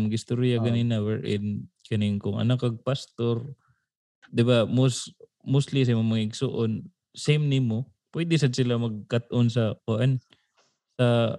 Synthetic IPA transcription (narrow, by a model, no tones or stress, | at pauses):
mɡɪst̪oɾɪjakɐniːnɐwɛɹʔɪd̪kɐnɪŋkʊŋʔɐ̰nakɐɡ̚past̪oɾ | d̪ɪbamos | most̪lis̬ɛmomɐŋɪɡsoʔon | sejmnɪmo | pwɛd̪ɪs̬ɐd̪̚sɪlamɐɡ̚kat̪̚ʔons̬ɐkʊʔan | sɐ